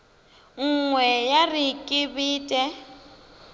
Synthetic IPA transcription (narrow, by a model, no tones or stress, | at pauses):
ŋ̩ŋwɛjarikʼɪbiːtʼɛ